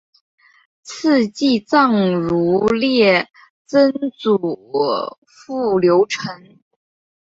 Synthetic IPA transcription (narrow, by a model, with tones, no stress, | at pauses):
t͡s̩ʰ˥˧t͡ɕi˥˧t͡sɑ˥˩ŋɻu˧˥ljɛ˥˩ | t͡sə˥nt͡su˨˩ | fu˥˩ljo˧˥ʊʈ͡ʂʰə˧˥ŋ